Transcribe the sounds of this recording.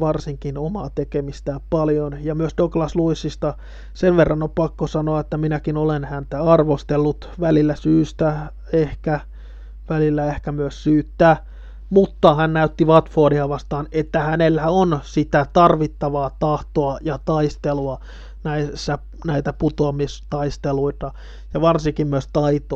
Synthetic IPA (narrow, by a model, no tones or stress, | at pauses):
ʋɑrsiŋkinomɑːt̪ekemist̪æːppɑljonjɑmyøsdoklɑsluisːist̪ɑ | seʋʋerːɑnoppɑkːosɑnoɑet̪ːæminækinolenhænt̪æɑrʋost̪elːut̪ʋælilːæsyːst̪æ | ehkæ | ʋælilːæehkæmyøssyːt̪ːæː | mut̪ːɑhænnæyt̪ːiʋɑt̪foːdihɑʋɑst̪ɑːnet̪ːæhænelːæonsit̪æt̪ɑrʋit̪ːɑʋɑːt̪ɑht̪oɑjɑt̪ɑist̪eluɑ | næisːæ | næit̪æput̪oɑmist̪ɑist̪eluit̪ɑ | jɑʋɑrsiŋkimmyøst̪ɑit̪o